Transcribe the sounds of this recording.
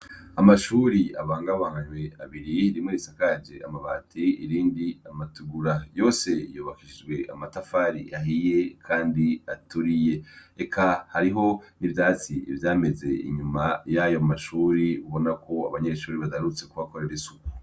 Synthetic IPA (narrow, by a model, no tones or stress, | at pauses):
amaʃuɾiaβaːŋɡaβaŋɡaɲweaβiɾiɾimŋeɾisakad͡ʒeʔamaβaːtʰiḭɾiːndiamatuɡuɾajo̞ːse̞ijoːβakiʃid͡ʒɡwe̞ʔa̰matafaɾḭaɦije̞kʰaːndiatuɾije̞ekʰahaɾiɦo̞nivjaːt͡siivjaːme̞ze̞ḭɲumajajomaʃuːɾiuβo̞nakʰo̞a̰βaɲe̞ʃuːɾiβaɡaɾut͡se̞kuβako̞ɾe̞ɾesuku̥